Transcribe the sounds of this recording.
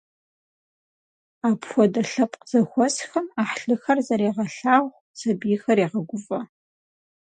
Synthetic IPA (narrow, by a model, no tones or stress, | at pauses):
aːpʰxʷɔdɐɬɐpʼqz̥ɐxʷɔsxɐmaːħɬɨxɐrzɐɾeːʁɐɬaːʁʷ | sɐbijɪxɐreːʁɐɡʷʊvɐ